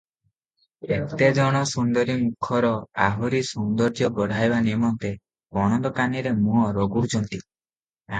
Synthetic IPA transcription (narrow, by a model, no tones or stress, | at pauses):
ekt̪ed͡ʒɔɽ̃ɔsund̪ɔɾimukʰɔɾɔaɦɔɾisund̪ɔɾd͡ʒjɔbɔɽ̤ʱajbanimɔnt̪e | ɔɽ̃ɔnd̪ɔkaniɾemũɔɾɔɡuɽut͡ʃʰɔnt̪i | a